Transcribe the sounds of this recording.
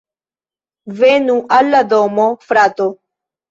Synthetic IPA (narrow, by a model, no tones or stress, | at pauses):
venuʔalːaðɔmɔfɾat̪o